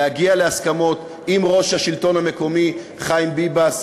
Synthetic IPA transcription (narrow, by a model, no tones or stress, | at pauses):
aɡiale̞askamo̞t̪ | imʁo̞ʃhaʃilto̞nhame̞ko̞mi | χajmbibas